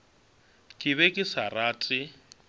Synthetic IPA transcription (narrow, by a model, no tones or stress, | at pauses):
kʼɪβɛkʼɪsaraːt͡sʼɪ